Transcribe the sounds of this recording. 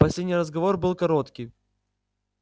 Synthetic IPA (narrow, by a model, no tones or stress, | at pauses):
pɐsʲedʲnʲɪɾəzɡɐvorbɨlˠkɐɾot̪kʲɪj